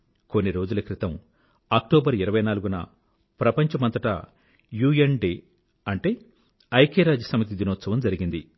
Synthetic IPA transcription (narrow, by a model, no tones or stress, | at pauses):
ko̞nːiɾo̞ːd͡ʒulɐkɾit̪ɐm | aːk̚ʈoːbɐɾiɾɐʋɐjnaːluɡunɐ̰ | pɾɐpɐɲt͡ʃɐmɐnt̪ɐʈɐ̰ | juːenɖeː | ɐɳʈe̞ː | ɐjkeːɾaːd͡ʒɐsɐmɐt̪id̪inɔːt̪sɐʋɐmd͡ʒɐɾiɡind̪i